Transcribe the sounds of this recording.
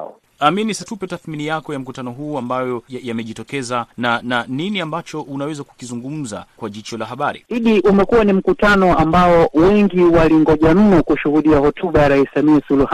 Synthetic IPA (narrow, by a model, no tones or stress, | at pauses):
aminisatupɛtaθminijakɔjam̩kutanɔɦuːambajɔjajamɛʄitɔkɛzanananiniambat͡ʃɔʔunawɛzaku̥kizuŋɡum̩za̰kwaʄit͡ʃɔlaɦaɓaɾḭiɗiʔumɛkuwanim̩kutanɔambaɔwɛŋɡiwaliŋɡɔʄam̩nɔkuʃuhuɗiahɔtʰuɓajaɾaissamiasuluh